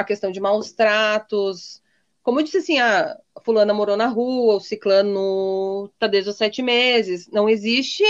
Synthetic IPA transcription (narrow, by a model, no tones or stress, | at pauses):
ɐkest̪ɐ̃w̃d͡ʒɪmawst̪ɾat̪ʊs | kõmʊed͡ʒisɪasĩafulɐ̃nɐmoɾonɐɦuɐʊsiklɐ̃nʊt̪ad̪ezɐsɛt͡ʃɪmezɪsnɐ̃w̃ezist͡ʃɪ